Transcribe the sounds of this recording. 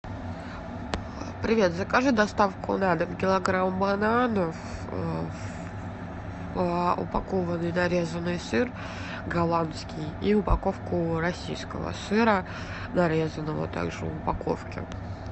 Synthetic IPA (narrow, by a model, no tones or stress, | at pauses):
pɾʲɪvʲe̞t̪zəkaʐɨd̪ɐst̪afkʊ̰nad̪əmkʲɪlˠɐɡɾambɐnanəf | əʊ̰pɐkovənːɨjnɐɾʲe̞zənːɨjsɨr | ɡɐlˠant̪skʲijiʊpɐko̞fkʊɾɐsʲḭjskəvə̰sɨɾə | nɐɾʲezənːəvə̰t̪a̰ɡʐɨ̰ʊpɐko̰fkʲɪ̰